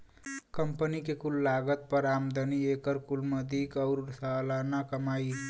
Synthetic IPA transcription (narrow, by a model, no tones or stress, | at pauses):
kəmpənikekulːaɡət̪̚pəɾamd̪əniekəɾkulməd̪ʱikʌʊɾsalanakəmai